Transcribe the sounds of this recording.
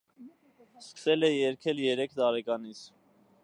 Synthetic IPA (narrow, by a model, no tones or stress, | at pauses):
skə̥sɛlɛjɛɾkʰɛljɛɾɛkʰt̪ɑɾɛkɑnit͡sʰ